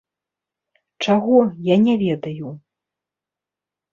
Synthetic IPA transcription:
t͡ʂaɣɔjanʲɛvʲɛd̪ɐju

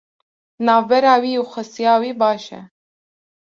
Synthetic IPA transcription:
nɑːvbɛɾɑːwiːuxʷəsijɑːwiːbɑːʃɛ̰

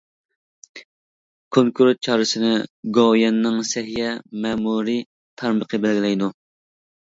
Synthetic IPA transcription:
kʰoŋkʰuɾt̪̚t͡ʃʰɑːɾɨsɨnɪɡojɛnːɪŋsɛɦijɛmɛːmuɾi | t̪ʰɑɾməqʰəbælɡʲilɛjd̪u

